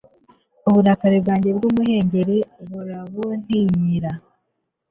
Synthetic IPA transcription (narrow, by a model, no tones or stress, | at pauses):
uβuɾakaɾebɡaːɲɟe̞bɡuːmuɦe̞ːɲɟe̞ɾeβuɾaβon̥iɲiɾa